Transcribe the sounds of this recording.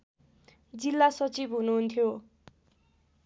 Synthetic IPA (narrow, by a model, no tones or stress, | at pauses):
d͡zilːasʌt͡sibɦunuɦunt̪ʰjo